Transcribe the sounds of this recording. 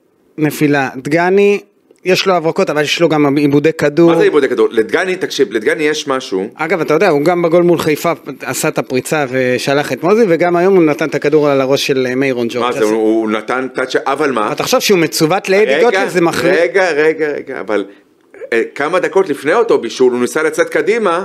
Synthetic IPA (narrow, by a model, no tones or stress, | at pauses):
ne̞filad̪ɡani | jeʃloavʁako̞t̪avaljeʃlo̞ɡamibudekaduaʁzeibud̪ekad̪uʁled̪ɡanit̪akʃivled̪ɡanijeʃmaʃuʔaɡavat̪ajod̪eauɡambaɡo̞lmulχajfaasat̪apʁit͡save̞ʃalaχet̪moziveɡamajo̞munat̪ant̪akaduʁaalaʁo̞ʃːe̞lemejʁond͡ʒomazeuunat̪ant̪aʃeʔavalmaat̪aχaʃavʃeumet͡suvat̪leediɡjoazemaχlieɡaʁeɡaʁḛɡa̰a̰val | kamad̪ako̞t̪lifneot̪o̞biʃulunisalat͡set̪̚kad̪ima